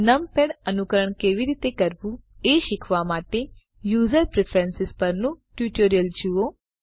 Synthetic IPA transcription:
nəmpeɽənukəɾəɳkeʋiɾit̪ekəɾʋũeʃikʰʋamaʈe | juzəɾpɾepʰɾẽnsɪspəɾnũʈjuʈoɾijəld͡ʒuo

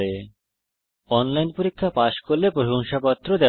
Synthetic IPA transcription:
e | ɔnlajnpoɾikʰːapaʃkolːepɾoɦoŋʃapat̪ːɾod̪ɛ

